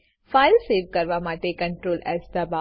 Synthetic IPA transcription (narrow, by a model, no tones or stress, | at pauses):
faːɪlseːʋkɐɾʋamãːʈ̪ekɐ̃ɳʈɾoːlɛːsd̪ɐba